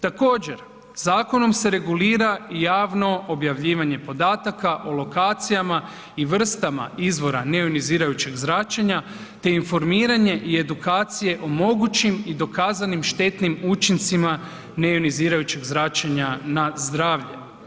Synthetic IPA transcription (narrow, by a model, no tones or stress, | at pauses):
t̪ako̞ːd͡ʑe̞ɾ | zaːko̞no̞mse̞ɾe̞ɡuliːɾaijaːʋno̞objaʋʎiːʋaɲe̞po̞d̪aːt̪akaʔo̞lˠo̞kaːt̪sijama | iʋr̩st̪ama̰izʋo̞ɾane̞uniziːɾajut͡ɕeɡzɾat͡ʃeɲa | t̪e̞info̞ɾmiːɾaɲe̞ʔie̞d̪ukaːt̪sije̞ʔo̞mo̞ɡut͡ɕimid̪o̞kaːzanimʃt̪e̞t̪nimut͡ʃint̪sima | ne̞uniziːɾajut͡ɕeɡzɾat͡ʃaɲanazd̪ɾaːʋʎe̞̰